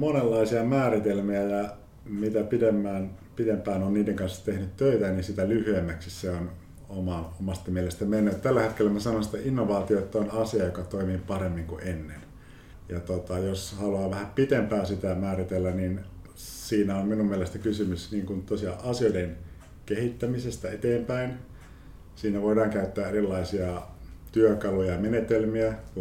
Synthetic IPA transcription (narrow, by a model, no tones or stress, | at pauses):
monelːɑisiɑmæːrit̪elmiæjɑ | mit̪æpidemːæːn | pit̪empæːnonniːdeŋkɑnsːɑ̥t̪ehnyt̪t̪øit̪æninsit̪ælyhyemːæksisseon | omɑnomɑst̪ɑmielest̪æmenːøːt̪t̪ælːæhet̪kelːæmæsɑnonsi̥t̪ːeʔinːoʋɑːt̪ioet̪ːæonɑsiɑjokɑt̪oimiːpɑremːiŋkuʔenːen | jɑt̪ot̪ɑjoshɑluɑːʋæhæpit̪empæːsit̪æmæːrit̪elːænin | siːnæomminummielest̪ækysymysniːŋkunt̪osiɑʔɑsioiden | kehit̪ːæmisest̪æet̪eːmpæin | siːnæʋoidɑːŋkæyt̪ːæːerilːɑisiɑt̪yøkɑlujɑmenet̪elmiæ